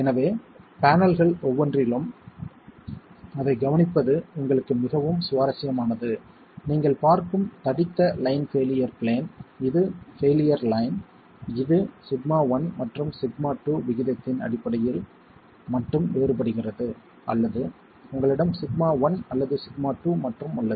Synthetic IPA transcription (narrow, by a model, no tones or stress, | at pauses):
ɛnɐʋeːpaːnɐlɣɐɭɔʋːɔndrɪlɯm | ɐðɐɪɡɐʋɐnɪpːɐðɯʊŋɡɐɭɯkːɯmɪɣɐʋɯmsʊʋaːɾɐsɪjɐmaːnɐðɯ | niːŋɡɐɭpaːɾkɯmt̪ɐɽɪt̪ːɐlɐɪnfeːlɪjɐɾpɭeːnɪðɯfeːlɪjɐɾlɐɪn | ɪðɯsɪɡmaːʋɐnmɐʈrɯmsɪɡmaːʈːuːʋɪɣɪðɐt̪ːɪnɐ̰ɽɪpːɐɽɐjɪl | mɐʈrɯmeːɾpɐɽɯɣɪrɐðɯ | ʔɐ̰lːɐðɯ | ʊŋɡɐɭɪɽɐmsɪɡmaːʋɐnɐlːɐðɯsɪɡmaːʈːuːmɐʈrɯmɐlːɐɯ